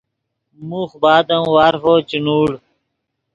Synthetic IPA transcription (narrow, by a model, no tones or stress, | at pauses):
muxbaːd̪ɐmwaːɾfoːt͡ɕinuːɽ